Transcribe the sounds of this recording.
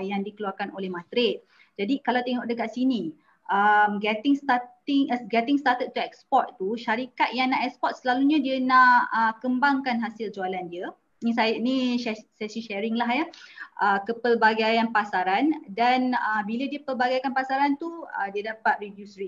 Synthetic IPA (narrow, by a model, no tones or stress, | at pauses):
jaŋdikəluarkanolɛhmãt̪ɾɪt̪̚ | d͡ʒadikalawt̪ɛŋɔʔk̚dəkaʔ̪̚sini | ʔəmɡɛt̪ɪŋst̪at̪ɪŋɡɛt̪ɪŋst̪at̪ət̪̚t̪uɛkspɔt̪̚t̪uʃaɾikat̪̚jaŋnaʔɛkspɔt̪̚səlaluɲãdiənaʔəkəmbaŋkanɦasɪld͡ʒoalandiə̃ | s̬aəʔniʃɛsɛsiʃɛɾɪŋlaɦjəʔəkəpəlbaɡajanpasaɾandanəbilədiəpəlbaɡajkanpasaɾant̪uədiədapat̪̚ɾivjusɾi